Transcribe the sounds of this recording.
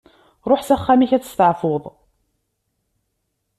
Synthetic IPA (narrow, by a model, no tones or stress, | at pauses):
ɾˤoħsæχːæmiçæt͡sːə̥st̪əʕfoðˤ